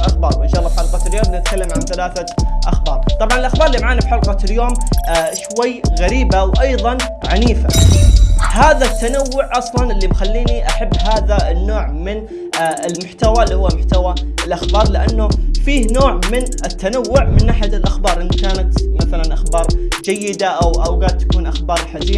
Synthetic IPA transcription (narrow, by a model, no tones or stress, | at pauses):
ʔaxbɑːɾˤʔɪnʃɑːʔlˤːɑbħɑlqɑt̪ljoːmnɪt̪̚kalːamʕanθalaːθaʔa̰xbɑːɾˤt̪ˤɑbʕɑnɪlʔaxbɑːɾˤɪlːimaʕaːnabħɑlqɑt̪ɪljoːmːʃwajːɣaɾiːbawʔɑjðˤɑnʕaniːfa | haːðat̪ːanawːʊʕʔɑsˤlɑnʔɪlːibxalːiːniʔaħabːɦaːðanːoːʕmɪn | ɪlmʊħt̪awalːihʊwːamʊħt̪awaɪlʔaxbɑːɾˤlɪʔanːʊfiːhnoːʕmɪnɪt̪ːanawːʊʕmɪnʔaħt̪ɪlʔaxbɑːɾˤʔɪnːkaːnat̪maθalanʔaxbɑːɾˤd͡ʒajːɪd̪aʔawʔawɡaːd̪̚t̪ḁkuːnʔaxbɑːɾˤlħad͡ʒiː